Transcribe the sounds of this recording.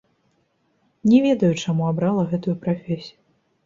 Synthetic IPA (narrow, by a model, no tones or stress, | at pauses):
nʲɛvʲɛd̪ɐjut͡ʂamuabɾalˠɐɣɛt̪ujupɾafʲɛsʲiju